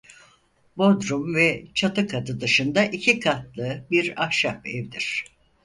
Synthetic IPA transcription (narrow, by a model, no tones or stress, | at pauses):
bod̪ɾumvɛt͡ʃʰat̪ɯkʰad̪ɯd̪ɯʃɯnd̪aʔicʰikʰat̪lˠɯbiɾahʃapɛvd̪iɾ̝̥